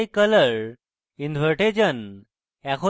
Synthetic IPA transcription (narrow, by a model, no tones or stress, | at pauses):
jkələɭ | ind̪ʱʋəɾʈed͡ʑən | ɛkʰo